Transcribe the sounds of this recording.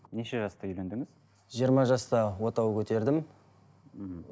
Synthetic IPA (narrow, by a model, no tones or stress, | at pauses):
neʃe̞ʒɑst̪ɑʏjlend̪ɪŋɪz̥ | ʒijəɾmɑʒɑst̪ɑwo̞t̪ɑwkʲʰɵt̪e̞ɾd̪ɪm